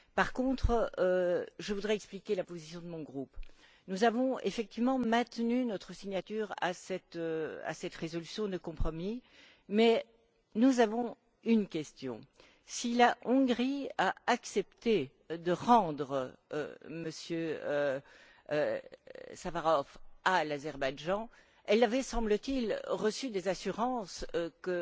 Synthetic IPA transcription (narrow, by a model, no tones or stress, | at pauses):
paʁkɔ̃t̪χəøʒəvud̪ʁɛɛksplikʲelapozisjɔ̃d̪əmɔ̃ɡʁup | nuzavɔ̃ḛfɛk̚t̪ivmɑ̃mɛ̃t̪nynɔt̪χəsiɲat̪yːʁa̰sɛt̪øa̰sɛt̪ʁezɔlysjɔ̃d̪əkɔ̃pχɔmi | mɛ | nuzavɔ̃ | ynkʲɛst̪jɔ̰̃ | silaʔɔ̃ɡʁiaaksɛpt̪e | d̪əʁɑ̃d̪ʁə̰ | məsjø | savaʁɔfalazɛʁbajʒɑ̃ | ɛlːavɛsɑ̃blət̪ilʁəsyd̪ezasyʁɑ̃skə